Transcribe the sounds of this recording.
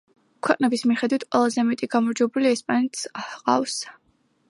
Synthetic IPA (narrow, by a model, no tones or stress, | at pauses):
kʰwɛqʼnɛbismiχɛd̪wit̪ʰqʼwɛlˠazɛmɛt̪ʼiɡamɔɾd͡ʒwɛbuliɛspʼanɛt̪sqʼa̰fs